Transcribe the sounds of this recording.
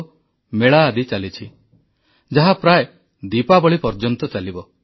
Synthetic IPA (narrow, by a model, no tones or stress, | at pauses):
meɭaːd̪it͡ʃalit͡ʃʰi | d͡ʒaɦapɾae | d̪ipabɔɭipɔɾd͡ʒɔnt̪ɔt͡ʃalibɔ